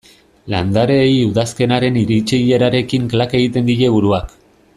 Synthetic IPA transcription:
la̰nd̪aɾe̞juðaske̞naɾe̞niɾit͡ʃiʎe̞ɾaɾe̞kiŋklake̞ɣit̪e̞nd̪iʎe̞βuɾuak

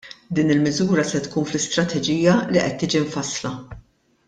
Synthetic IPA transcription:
d̪iːnɪlmɪzuːɾɐsɛt̪kuːnflɪst̪ɾɐt̪ʰɛd͡ʒiːjɐliʔɛt̪ːiːd͡ʒiɱfɐslɐ

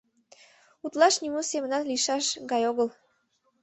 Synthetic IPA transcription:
ut̪lɑʃnimosemənɑt̪liʃɑʃɡɑjoɣəl

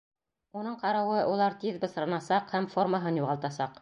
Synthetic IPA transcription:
unɤɴqɑɾɑwɤʔulˠɑɾt̪iðbɤ̆sɾɑ̆nɑsɑqhæmfo̞rmaɦɤnjuʁɑlˠt̪ɑsɑq

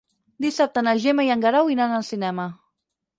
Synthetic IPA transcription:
d̪isap̚t̪ənaʒemajaŋɡaɾawinanalsinɛma

